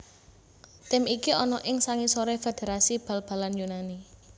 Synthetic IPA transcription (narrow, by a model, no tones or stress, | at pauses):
t̪ɪmikiɔnɔʔɪŋsaŋisoɾɛfed̪̥e̤ɾasib̥ä̤lb̥a̤lanjunani